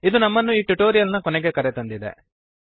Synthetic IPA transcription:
id̪unɐmːɐnːuiːʈuʈo̞ːɾijɐlnɐkɔnɛɡekɐɾet̪ɐnd̪id̪ḛ

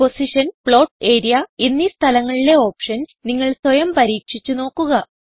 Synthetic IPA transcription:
po̞siʂɐnpɭo̞ːʈe̞ːɾijɐinːist̪ʰɐlɐŋːɐɭile̞o̞ːpʂɐnniŋːɐɭswɐjɐmpɐɾiːkʂit͡ɕːuno̞ːkːuɣɐ

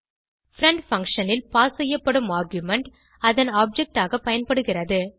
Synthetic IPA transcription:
fɾɐɳɖfɐŋkʂɐnɪlpaːsɛjːɐpːɐɽɯmaːɾɡjʊmɛɳʈ | ɐðɐnaːb̚d͡ʒɛk̚ʈaːɣɐpɐjɐnpɐɽɯɣɪrɐðɯ

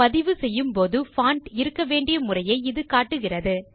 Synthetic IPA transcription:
pɐðɪʋɯsɛjːɯmpoːðɯfaːɳʈɪɾɯkːɐʋeːɳɖɪjɐmʊrɐjɐɪɪðɯkaːʈːɯɣɪrɐðɯ

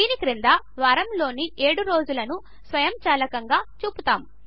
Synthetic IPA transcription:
iːnikɾind̪ɐ | ʋɐɾɐmlo̞ːniʔe̞ːɽuɾo̞ːd͡ʒulɐnu | sʋɐjɐmt͡ʃaːlɐkɐŋɡaːt͡ʃuːput̪aːm

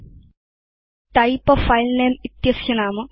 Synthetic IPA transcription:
tɐjpːɐfɐjlneːmit̪jɐsjɐnaːmɨ

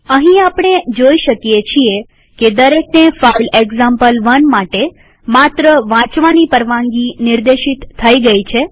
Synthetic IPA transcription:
əɦĩapɳ̃ed͡ʒoiʃəkjet͡ʃʰie | ked̪əɾeknefaileɡzampəlʋənmaʈe | mat̪ɾəʋãt͡ʃʋanipəɾʋãŋɡinɪɾd̪eʃit̪ʰːəiɡəit͡ʃʰe

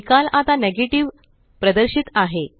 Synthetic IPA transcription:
kalat̪aneɡeʈiʋ | pɾəd̪əɾɕit̪aɦe

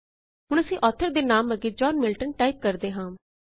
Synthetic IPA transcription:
ɦʊɳ̃əsĩːʔɔːt̪ʰəɾd̪eːnaːməɡeːd͡ʒɔːnmɪlʈənʈaːip̚kəɾd̪eːɦãː

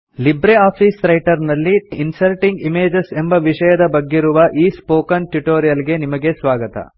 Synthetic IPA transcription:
libɾeaːpʰiːsɾɐjʈɐɾnɐlːiːnsɐlʈiŋɡimeːd͡ʒese̞mbɐʋiʂɐjɐd̪ɐbɐɡːiɾuʋɐʔiːspoːkɐnʈuʈoːɾijɐlɡe̞nimɐɡe̞sʋaːɡɐt̪ɐ̰

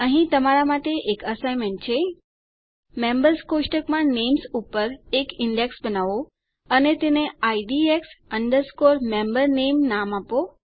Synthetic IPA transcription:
əɦĩt̪əmaɾamaʈeʔekəsajmeɳt͡ʃʰe | mẽmbəɾskoʃʈəkmãnemsupəɾekɪɳɖeksbənaʋo | ənet̪eneaiɖieksəɳɖəɾskoɾmẽmbəɾnemnamapo

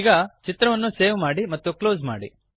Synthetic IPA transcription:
iɡaːt͡ʃit̪ɾɐʋɐnːuseːʋmaːɽimɐt̪ːukloːzma̰ːɽḭ

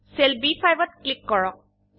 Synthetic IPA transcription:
selbipʰajbɔt̪̚klikːɔɹɔk̚

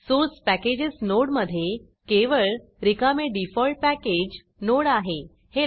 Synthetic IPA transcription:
sot͡spæked͡ʑesnoɽməd̪ʱːje | keʋəɭ | ɾikameɖifɔlʈ̚pæked͡ʑ | noɽaɦe | he

